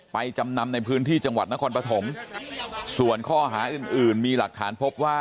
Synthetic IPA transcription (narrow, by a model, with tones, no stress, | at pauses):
pa˧jt͡ɕa˧mna˧mna˧jpʰɯː˦˥nt̪ʰiː˥˩t͡ɕa˧ŋwa˨˩t̪̚na˦˥kʰɔː˧npɾa˧t̪ʰo˩˦m | su˨˩ənkʰɔː˥˩ɦaː˩˦ʔɯː˨˩nʔɯː˨˩nmiː˧la˨˩k̚t̪ʰaː˩˦npʰo˦˥p̚waː˥˩